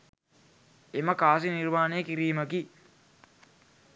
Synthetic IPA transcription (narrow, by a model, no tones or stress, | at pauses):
eməkaːs̬inirmaːnejəkiɾiːməki